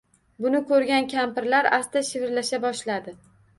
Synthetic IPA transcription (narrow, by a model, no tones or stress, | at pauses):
bʊnɪkʰɵɾɡʲankʲʰampɪɾlaɾast̪aʃɪvɪɾlaʃabɒʃlad̪ɪ